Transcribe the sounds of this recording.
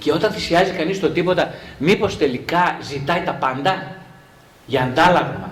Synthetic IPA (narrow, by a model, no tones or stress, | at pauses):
ceo̞t̪ɐnθisiɐzikɐnist̪o̞t̪ipo̞t̪ɐmipo̞st̪e̞likɐzit̪ɐit̪ɐpɐnd̪ɐ | ʝɐːnd̪ɐlɐɣumɐ